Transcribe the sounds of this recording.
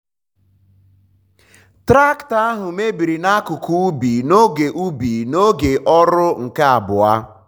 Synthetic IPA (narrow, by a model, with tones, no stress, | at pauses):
tɾa˦kta˦a˦ɦʊ˨me˦bi˨ɾi˨na˦kʊ˨ku˨u˦bi˨no˦ɡe˨ʔu˦bi˨no˦ɡe˨ʔɔ˦ɾʊ˦ŋ̩˨ka˦a˨bʊ˨a˦